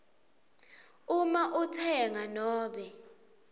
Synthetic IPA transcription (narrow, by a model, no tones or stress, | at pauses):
umaʔutʰɛŋanɔːɓɛ